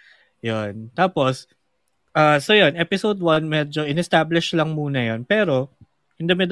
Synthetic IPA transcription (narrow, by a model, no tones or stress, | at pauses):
jont̪aːpo̞s | ʔaːsojonʔɛpɪsowd̪wɐnmɛːd͡ʒo̞ʔɪnɛst̪aːblɪʃlɐŋmuːnɐjonpɛːɾo̞ | ʔɪnd̪ɐmɪd̪